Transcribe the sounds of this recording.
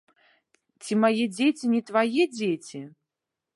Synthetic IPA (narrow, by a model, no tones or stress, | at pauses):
t͡sʲimajɛd͡zʲet͡sʲinʲɛt̪vajɛd͡zʲet͡sʲi